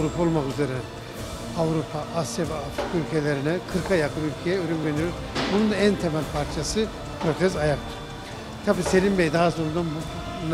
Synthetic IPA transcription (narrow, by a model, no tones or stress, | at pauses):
ɾupʰao̞lˠmakyzeɾɛ | avɾupʰaʔasjavɛafɾikʰaylʲcʰe̞lʲeɾinɛkʰɯɾkʰajakʰɯnylʲcʰejɛøɾymvenijoɾ | bunund̪aænt̪ʰemælʲpʰaɾt͡ʃʰasɯ | pʰɾo̞t̪ʰɛzajakt̪ | t̪ʰabiːse̞lʲimbejd̪aɦaso̞ɾund̪anb | n